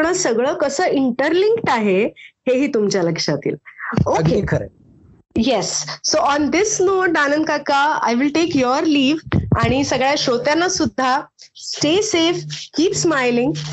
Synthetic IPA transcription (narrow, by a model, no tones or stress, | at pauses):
ɳ̃əsəɡɭəːkəsəːiɳʈəɾlĩŋkʈaɦeheɦiːt̪umt͡ɕaləkʂat̪ḭːloɡkeikʰəɾḛ | jesːoʔɔnd̪ɪsnoʈanə̃nkakaa̰jʋilʈekjɔɾliːʋaɽ̃isəɡɭjaɕot̪jãnːasud̪ʱːasʈesefkiːpsmajlĩŋɡ